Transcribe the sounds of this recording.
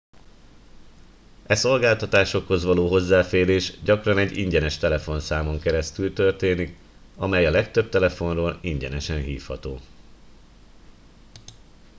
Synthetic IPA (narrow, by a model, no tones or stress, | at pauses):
ɛso̞lɡaːlt̪ɒt̪aːʃo̞kho̞zʋɒloːɦo̞zːaːfeːɾeːʃɟɒkrɒnɛɟːḭɲɟɛnɛʃt̪ɛlɛfo̞nsaːmo̞ŋkɛɾɛst̪ylt̪ø̞rt̪eːnik | ɒmɛjɒlɛkt̪ø̞b̚t̪ɛlɛfo̞nroːliɲɟɛnɛʃɛnɦiːfhɒt̪oː